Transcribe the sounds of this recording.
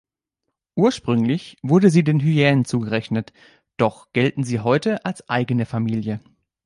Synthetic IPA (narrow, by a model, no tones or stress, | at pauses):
ʔuːɐʃpʁ̥ʏŋlɪçv̥ʊɐdəziːdeːnɦyjɛːnənt͡suːɡəʁɛçnət | d̥ɔχɡ̥ɛltn̩ziːɦɔʏtəʔalsʔaɪɡənəfamiːljə